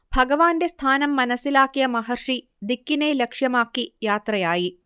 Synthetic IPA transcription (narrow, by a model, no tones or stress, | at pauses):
bʱɐɡɐʋaːndest̪ʰaːnɐmːɐnɐsilaːkːijɐmɐɦɐrʂi | d̪ikːinelekʂjɐmaːkːijaːt̪rɐjaːji